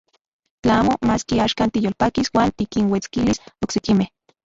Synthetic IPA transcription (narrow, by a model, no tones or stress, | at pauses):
t͡ɬaaːmomaːskiaːʃkaːnt̪ijolpakiswaːnt̪ikinwet͡skilisoksekimeh